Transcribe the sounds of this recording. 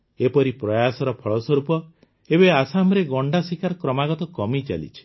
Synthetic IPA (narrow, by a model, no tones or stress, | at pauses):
epɔɾipɾɔjasɔɾɔpʰɔɭɔsɔɾupɔ | ebeasamɾeɡɔɳɖasikaɾɔkɾɔmaɡɔt̪ɔkɔmit͡ʃa̰lḭt͡ʃʰi̥